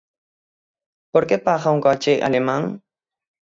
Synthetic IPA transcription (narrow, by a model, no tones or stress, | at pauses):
poɾkepaχawŋkat͡ʃejʔa̰lemaŋ